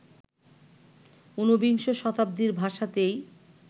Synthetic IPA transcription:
unobiŋʃoʃɔt̪ab̚d̪iɾbʱaʃat̪ej

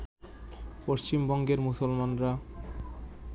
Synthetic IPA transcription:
poʃt͡ɕimbɔŋɡeɾmusolmanɾa

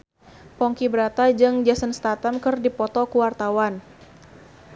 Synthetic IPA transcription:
pɔŋkibəɾat̪ad͡ʒɨŋd͡ʒasənst̪at̪amkɨrdipɔt̪ɔkuwart̪awan

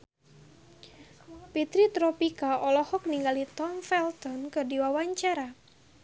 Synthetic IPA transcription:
pit̪ɾit̪ɾɔpikaʔɔlɔhɔk̚niŋɡalit̪ɔmfɛlt̪ɔnkɨrdiwawaɲt͡ʃaɾa

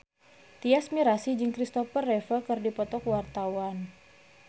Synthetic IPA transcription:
t̪iasmiɾasid͡ʒɨŋkɾist̪ɔfərːɛfəkɨrdipɔt̪ɔkwart̪awan

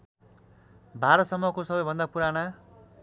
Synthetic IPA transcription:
bʱaɾʌsʌmʌkosʌbʌjbʱʌnd̪apuɾana

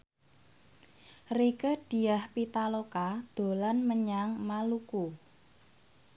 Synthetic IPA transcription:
rikəd̥i̤ahpit̪alokad̪̥o̤lanməɲaŋmaluku

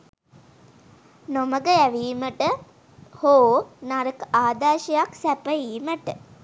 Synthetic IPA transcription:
noməɡəæʋiːməʈə | hoːnaɾəkaːd̪aːʃəjaksæpəjiːməʈə

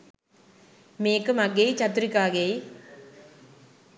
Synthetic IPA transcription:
meːkːɯmɐɡejt͡ʃɐt̪ɾɪkːaːɣej

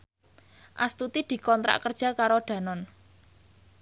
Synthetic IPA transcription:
ʔa̰st̪ut̪id̪̥i̤kɔnt̪ɾa̰ʔkərd̥ʒ̥ä̤kaɾoɖ̪̥ä̤nɔn

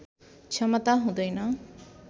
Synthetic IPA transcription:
t͡ʃʰɐmət̪aɦũd̪əjna

